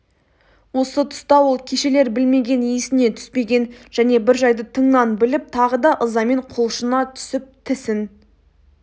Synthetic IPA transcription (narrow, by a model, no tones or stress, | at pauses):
wo̞sət̪ʰʊ̥st̪ɑwo̞lˠkʲʰe̞ʃe̞le̞ɾbɪlme̞ɡʲe̞nisɪne̞t̪ʰʏ̥spe̞ɡʲe̞nʒ̥æne̞bɪɾʒɑjd̪ət̪ʰəɴnɑnbɪlɪp̚t̪ʰɑʁəd̪ɑʔəzɑme̞ɴqʰolˠʃənɑt̪ʰʏ̥sɪp̚t̪ʰɪsɪn